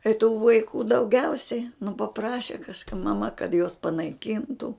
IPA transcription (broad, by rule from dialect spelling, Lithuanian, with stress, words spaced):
ɪ tuː ʋɐɪˈkuː dɐʊˈɡʲɛʊsʲɛɪ nʊ pɐˈprɑːʃʲɛ kɐʃˈkɐ mɐˈmɐ kɐt juɔs pɐnɐɪˈkʲiːntʊ